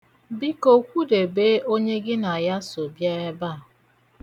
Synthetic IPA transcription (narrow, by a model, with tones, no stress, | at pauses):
bi˦ko˨kʷu˦de˨be˦ʔo˦ɲe˦ɡɪ˦na˨ja˦so˨bja˦ɛ˦ba˦˨a˨